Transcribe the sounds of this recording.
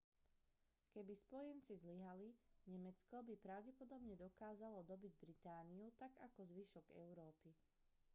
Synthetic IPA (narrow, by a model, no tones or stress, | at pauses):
kɛbispɔjɛnt͡sizliɦaliɲɛmɛt͡skɔbipɾaʊɟɛpɔd̪ɔbɲɛd̪ɔkaːzalɔd̪ɔbiɟbɾit̪aːniut̪aɡakɔzʋiːʃɔɡɛ̰ʊɾɔːpi